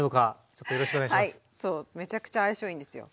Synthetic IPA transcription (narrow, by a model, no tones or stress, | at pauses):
noka | t͡ɕot̪ːojoɾo̞ɕikoeaiamai | soːme̞t͡ɕakɯ̥t͡ɕaːiɕoĩnd̪e̞sɨjo̰